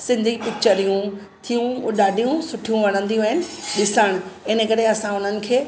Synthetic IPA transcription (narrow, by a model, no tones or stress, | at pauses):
sɪ̃nd̪ʱipɪk̚t͡ɕəɾijũ | t̪ʰijũɗaːɖʱijũsʊʈʰijũʋɐɽ̤̃ə̃nd̪ijɦɪnɪ̆ɗɪsəɽ̃ɪnəkɐɾeɐsãʊn̤ənɪ̆kʰeː